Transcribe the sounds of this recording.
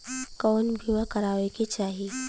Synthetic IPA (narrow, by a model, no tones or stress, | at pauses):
kɔːnbʱimakəɾaːʋeket͡ʃaːɦi